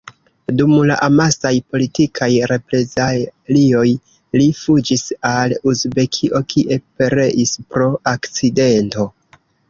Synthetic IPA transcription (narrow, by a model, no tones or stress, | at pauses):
dumlaʔamasajpo̞litikʰajɾe̞pɾe̞zalio̞j | lifud͡ʒisalusbe̞kʰiʔo̞kʰiʔe̞peɾe̞ʔispɾo̞ʔakt͡side̞nto̞